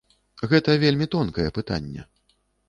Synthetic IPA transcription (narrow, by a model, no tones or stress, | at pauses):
ɣɛt̪ɐvʲelʲmʲit̪ɔnkɐjɛpɨt̪a̰nʲːɛ̰